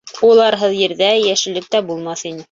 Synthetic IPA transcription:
ulˠɑɾɦɤðjɘ̆ɾðæjæʃɘ̆lɘ̆k̚t̪æbulˠmɑθinɘ

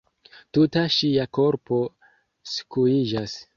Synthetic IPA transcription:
tutaʃiako̞ɾpo̞ | skuid͡ʒas

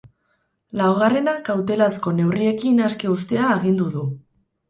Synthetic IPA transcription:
lawɣ̞are̞nakawt̪e̞lasko̞ne̞wrie̞kinaske̞ust̪e̞aːɣ̞ind̪uðu

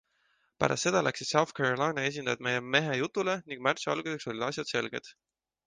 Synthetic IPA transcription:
pæ̰ɾʔɑ̰st̪se̞d̪ɑlʔæksid̪sɑwθkʰæɾolɑjnɑe̞s̬ʲind̪ɑjd̪me̞jeme̞ɦejut̪ˑːule̞niŋɡ̥mært̪suɑ̰lɡ̥use̞kso̞lʲid̥̪ɑsʲjɑd̪se̞lɡ̥e̞̰d̪̥

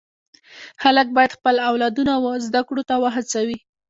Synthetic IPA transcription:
xalək̚bɑjad̪xpəlawlɑd̪unawəzd̪akɽot̪awəɦat͡sawi

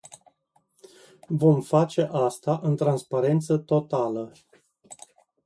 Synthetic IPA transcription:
vo̞mfat͡ʃe̞ʔast̪aʔɨnt̪ɾanspaɾe̞nt̪sət̪o̞t̪alə

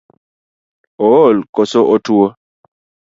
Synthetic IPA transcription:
ɔlkɔsoʔɔtuɔ

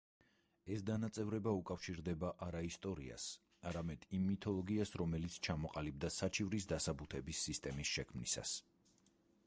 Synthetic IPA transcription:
ɛsd̪anat̪sʼɛvɾɛbaukʼafʃiɾd̪ɛbaʔaɾaist̪ʼɔɾḭa̰s | aɾamɛd̪̥imːit̪ʰɔlˠɔɡiasɾɔmɛlit̪sʰt͡ʃʰamɔqʼalib̚d̪asat͡ʃʰʼivɾisd̪asabut̪ʰɛbisːist̪ʼɛmisʃɛkʰmnisa̰s

